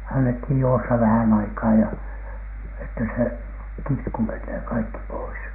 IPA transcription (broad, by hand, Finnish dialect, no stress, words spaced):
ɑnːethij juosːɑ ʋæhæn ɑikɑː jɑ etːæ se kitku menːeː kɑikːi pois